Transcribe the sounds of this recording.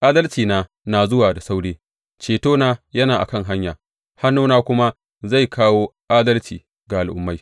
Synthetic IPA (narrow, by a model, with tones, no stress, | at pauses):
ʔaː˦dɐ˦lt͡ʃiː˨naː˦ | naː˨zʊ˦waː˨da˨sa˦wɽeː˦ | t͡ʃeː˨toː˦naː˦jɐ˦naː˨ʔa̰˨kɐ˦ŋɦa˦ɲjaː˨ | ha˦nːuː˦naː˦kʷʊ˦ma˦ | za˦˨jkʰaː˦woː˦ʔaː˦dɐ˦lt͡ʃiː˨ | ɡa˨ʔa˨lʔʊ̰˨mːa˦j